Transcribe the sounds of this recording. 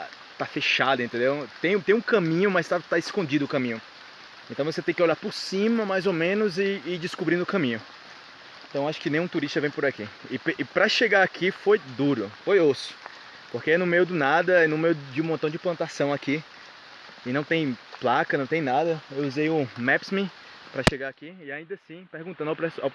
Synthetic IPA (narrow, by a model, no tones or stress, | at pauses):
t̪afeʃad̪ɐẽt̪ẽnd̪ewt̪ẽj̃t̪ẽj̃ũkɐ̃mĩɲʊmajst̪at̪aɪskõd͡ʒid̪ʊːkɐ̃mĩɲʊ | ẽnt̪ɐ̃wvoset̪ẽj̃kɪoʎaɾpʊɾsĩmɐmajzomẽnʊzɪːd͡ʒɪskubɾĩnd̪ʊkɐ̃mĩɲʊ | ẽt̪ɐ̃w̃aʃʊ̥kɪnẽj̃ũt̪uɾiʃt̪ɐvẽj̃pʊɾakiɪpʔpɾɐʃeɡaakʰifojd̪uɾʊfojosʊ̥ | pohkeɛnʊmejʊd̪ʊnad̪ɐɛnʊmejʊd͡ʒɪũmõnt̪ɐ̃w̃d͡ʒɪplɐ̃nt̪asɐ̃w̃aki | ɪnɐ̃w̃t̪ẽj̃plakɐnɐ̃w̃t̪ẽj̃nad̪ɐewuzejʊmɛpsmĩ | pɾɐʃeɡaakiɪaĩnd̪ɐsĩpehɡũt̪ɐ̃d̪wpɾɛsaw